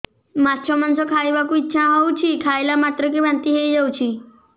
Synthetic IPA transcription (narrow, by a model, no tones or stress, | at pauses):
matʰɔmansɔkʰajbakuitːɕʰaɦɔwt͡ʃʰikʰajlamat̪ɾɔk̬ebʱant̪iɦejd͡ʒawt͡ɕʰi